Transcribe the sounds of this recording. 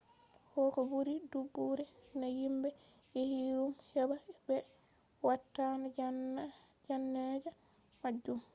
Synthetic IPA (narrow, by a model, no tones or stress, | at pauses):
hɔkɔbuɾidubːuɾɛnajimbɛ | jehiɾumhɛbabɛ | watːana | d͡ʒanːad͡ʒa | mad͡ʒːum